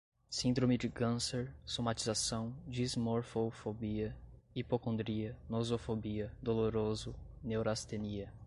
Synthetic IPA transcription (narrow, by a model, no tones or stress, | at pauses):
sĩd̪ɾõmɪd͡ʒɪkɐ̃seɾsomat͡ʃizasɐ̃w̃d͡ʒizmoɾfofobiɐ | ipokõnd̪ɾiɐnozofobiɐd̪oloɾozʊnewɾast̪eniɐ